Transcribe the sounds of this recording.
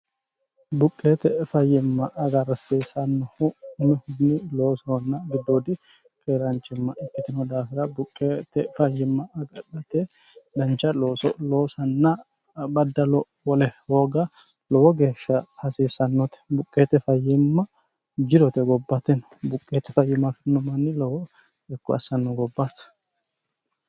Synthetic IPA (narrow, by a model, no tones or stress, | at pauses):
bʊkʼːeːt̪ɛfɐjːɪmːɐʔːɡɐɾɐsiːsɐnːɔhʊʊmɛhʊd̪nɪlo̞ːsɔɔnːɐɡɪd̪ːoːd̪ɪ | kʼeːɾɐnt͡ʃʼːɪmːɐʔɪkːɪt̪ɪnɔd̪aːfɪɾɐbʊkʼːeːt̪ɛfɐjːɪmːɐɐɡɐᶑɐt̪ɛ | d̪ɐnt͡ʃːɐlosɔloːsɐnːɐ | bɐd̪ːɐlɔ | wɔlɛho̞ːɡɐ | lɔwɔɡe̞ːʃːɐhɐsiːsɐnːɔt̪ɛ̥bʊkʼːeːt̪ɛfɐjːɪmːɐ | d͡ʒɪɾɔt̪ɛɡɔbːɐt̪ɛn | bʊkʼːeːt̪ːɛfɐjːɪmːɐfɪnːɔmɐnːɪlɔwɔ | ɛkːɔɐsɐnːɔɡɔbːat̪